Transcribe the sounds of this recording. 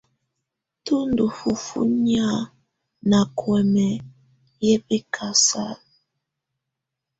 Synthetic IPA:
tu˦ndu˨fu˨fṵ˦ɲ˦a˦˨ | na˨kʰwɛ˨mɛ˨ | jɛ˦pɛ˦kʰa˨sa˦˨l

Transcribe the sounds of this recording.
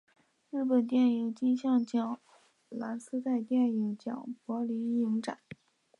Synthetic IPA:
ɻɻ̩˥˩pə˨˩nt̪jɛ˥˩ni˨˩ŋt͡ɕi˥ŋɕjɑ˥˩ŋt͡ɕjɑ˨˩ŋ | la˧˥ns̩˥t͡sa˥˧ɪt̪jɛ˥˩ni˨˩ŋt͡ɕjɑ̰˨˩ŋpwɔ˧˥li˧˥i˧˥ŋʈ͡ʂa̰˨˦

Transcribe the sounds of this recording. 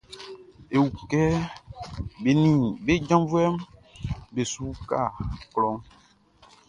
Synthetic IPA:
e˨wu˨kɛ˦ | be˨nĩ˨be˦d͡ʒã˦vwɛ˦m | be˨su˦ka̰˦˨klɔ˦ŋ

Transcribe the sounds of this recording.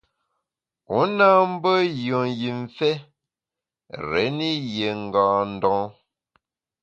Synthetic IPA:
u˨˦na˦m̩˦bə˦jɔ˨ji˨ɱ˨fɛ˦ | ɾɛ̰˨˦ni˦je˨ŋ̩˨ɡãː˨n̩˦dɔ̃ː˦˨˦

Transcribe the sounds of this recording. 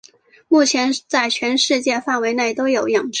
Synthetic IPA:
mu˥˩t͡ɕʰjɛ˧˥nt͡sa˥˩ɪt͡ɕʰɥɛ˧˥nʂɻ̩˥˧t͡ɕjɛ˥˧fa˥˩nwe˧˥ɪne˥˩ɪt̪o˥ʊjo˨˩ʊjɑ˨˩ŋʈ͡ʂ

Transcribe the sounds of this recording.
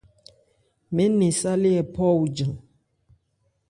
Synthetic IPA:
me˦ni˨sa˦li˦ɛ˨pɔ˦u˨d͡ʒə˨ŋ

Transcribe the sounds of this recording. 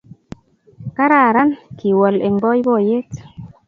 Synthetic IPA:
ka˦ɾa˨ɾa˦nki˨wɔ˨le˨ŋbɔ˦jbɔ˦˨je˦t

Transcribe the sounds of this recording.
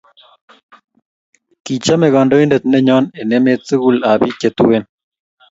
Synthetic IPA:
ki˨t͡ʃa˦mɛ˨ɣɔ˨ndo˦i˦nde˨t̪̚nɛ˦ɲɔ˦nɛ˨nɛ˦me˦t͡sɨ˦ɣu˦la˨βi˦t͡ʃe˨t̪u˦we˦n

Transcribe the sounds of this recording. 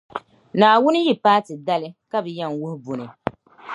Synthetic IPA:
naː˨wʊ˦nɨ˦ji˨paː˦tɨ˨da˦lɪ˦ka˦bɨ˨ja˦ŋwʊ˦hbʊ˨nɨ˨

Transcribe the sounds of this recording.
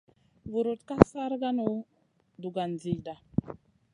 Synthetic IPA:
vu˨ɾu˨tka˦sa˦ɾɡa˦nu˦ | du˨ɡa˨nzi˨jda˨

